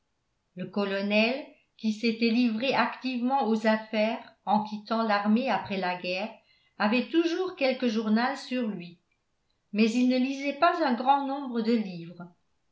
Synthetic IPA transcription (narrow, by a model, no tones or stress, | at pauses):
ləkɔlɔnɛl | kʲiset̪ɛlivʁeʔakt̪ivmɑ̃ozafɛːʁɑ̃kʲit̪ɑ̃laʁmeapχɛlaɡɛːʁ | avɛt̪uʒuːʁkʲɛlkəʒuʁnalsyʁlɥi | mɛzilnəlizɛpazœ̃ɡʁɑ̃nɔ̃bʁəd̪əliːvʁə